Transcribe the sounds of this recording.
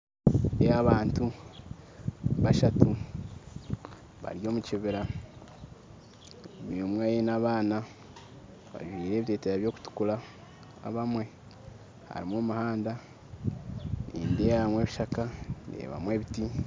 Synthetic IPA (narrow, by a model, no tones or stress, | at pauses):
eaβaːntu | βaʃatu | βa̰ɾjo̞ːmuciβeɾa | momwaːjenaβaːna | βa̰ʒwiɾe̞ːβiteːteɾaβjo̞ːku̥tu̥kula̰ː | βamwe̞ | ha̰ɾimwoːmuhaːnda | nḭːndejamwe̞ːβiʃakanḛːβa̰mwe̞ːβiti